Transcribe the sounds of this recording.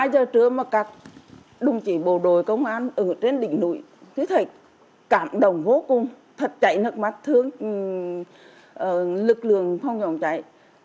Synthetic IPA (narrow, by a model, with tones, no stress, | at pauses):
haː˧jzəː˨˩t͡ɕɨ˧˩əmaː˨˩kaː˨˦˩k̚ | ɗʊ˨˩ŋ͡mt͡ɕi˧˩ɓo˧˨˩ɗo˨˩jkə˧wŋ͡mʔaː˧nʔə˨˩˨t͡ɕe˧nɗḭ̈˧˨ŋ̟nṵ˧˩˦j | t̪ʰi˨˧˦t̪ʰə˧˩j | kaː˧˩mɗə˧˨wŋ͡mvo˨˦kʊ˨˩ŋ͡m | t̪ʰə˨˩t̚t͡ɕa̰˧˨jnə˨˩t̚ma˨˩t̚t̪ʰɨ˧əŋ | ʔəː˨˩lɨ˨˩k̚lɨ̰˧˨əŋfə˧wŋ͡mzɔ˧˩nt͡ɕa̰˧˨j